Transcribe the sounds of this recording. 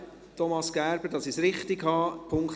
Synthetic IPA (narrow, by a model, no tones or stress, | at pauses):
tʰɔmɑsɡ̥æːɾb̥əɾdɑsisɾɪχt̪iɡhɑːpʰʊŋkχ